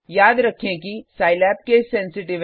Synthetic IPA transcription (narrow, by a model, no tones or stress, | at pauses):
jaːd̪ɾɐkʰːẽkisaːɪlɛːp̚kesɛ̃nsɪʈɪʋ